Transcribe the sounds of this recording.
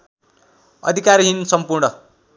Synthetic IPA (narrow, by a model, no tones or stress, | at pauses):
ʌ̰d̪ʱikaɾɦinsʌmpurɳʌ